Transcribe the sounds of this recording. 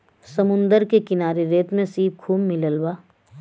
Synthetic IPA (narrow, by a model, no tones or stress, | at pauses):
səmʊ̃nd̪əɾkekɪnaːɾeɾeːt̪mẽsiːb̚kʰuːmːɪləlwaː